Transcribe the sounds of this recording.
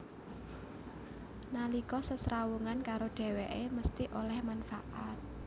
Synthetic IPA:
nalikɔsəsɾawuŋankaɾoɖ̥e̤weʔeməst̪iʔolɛhmanfaʔat̪̚

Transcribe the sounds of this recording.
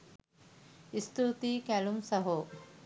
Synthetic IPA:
ist̪ʰut̪ikɛlumsɐɦo

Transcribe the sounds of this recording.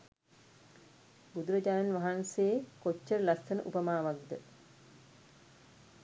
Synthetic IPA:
bud̪uɾəd͡ʒaːnanʋaɦanseːkot͡ʃːəɾəlast̪ənəʔupəmaːʋaɡd̪ə

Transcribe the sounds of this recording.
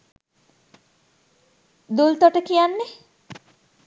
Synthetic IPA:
d̪ult̪ɔʈəkijanːe

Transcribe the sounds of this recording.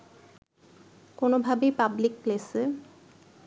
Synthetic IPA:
konobʱabejpablik̚plese

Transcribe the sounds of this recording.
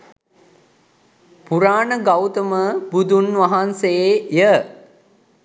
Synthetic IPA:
puɾaːnəɡawt̪əməbud̪unʋɐɦansejə

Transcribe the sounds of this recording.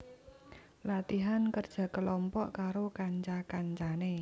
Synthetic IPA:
lat̪iɦankərd̥ʒ̥ä̤kəlɔmpɔʔkaɾokaɲt͡ʃakaɲt͡ʃane

